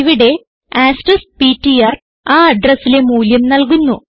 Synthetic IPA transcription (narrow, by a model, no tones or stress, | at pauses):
iʋiɽe̞ | aːsʈɐspiːtːijaːr | aːɐɖrɐsːile̞muːljɐmnɐlk̬unːu